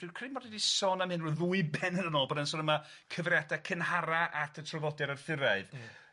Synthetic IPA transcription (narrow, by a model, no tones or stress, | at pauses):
ikʰrimɔdɛdisɔnamhɨnrɔðuɨbɛnənənɔlˠbɔdənsoːdəma | kʰəvrjadakʰənhaɾaʔatʰətʰrɔvɔdɛɾarθɪɾaɨð